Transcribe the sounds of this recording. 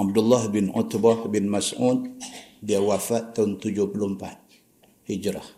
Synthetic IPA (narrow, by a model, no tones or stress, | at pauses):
ab̚dulːahbinɔ̰t̪bahbinmasut̪̚diawafat̪ːauŋt̪ud͡ʒʊhpulumpat̪̚ | hid͡ʒɾah